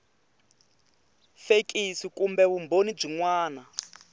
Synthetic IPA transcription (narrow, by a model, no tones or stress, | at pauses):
fekʼisikumbɛβumbonib͡ʐiŋwaːna